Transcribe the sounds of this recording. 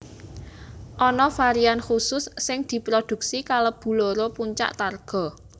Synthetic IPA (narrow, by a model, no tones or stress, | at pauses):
ʔɔnɔfaɾianxusʊsːɪŋd̪̥i̤pɾod̪̥ṳk̚sikaləb̥ṳloɾopuɲt͡ʃa̰ʔt̪arɡ̥ɔ̤